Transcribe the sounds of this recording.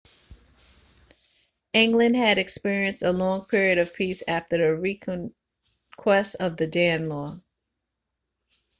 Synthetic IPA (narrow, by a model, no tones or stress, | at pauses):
ɪ̃ŋɡlɨ̃nd̚ɨɾɨkspɪɹiɨ̃nsəlɔ̃ŋpʰɪɹiɨɾʌv̥pʰisæftə˞ɨɹikʰ | kʰw̥ɛstʌvðɨdæ̃nlɔ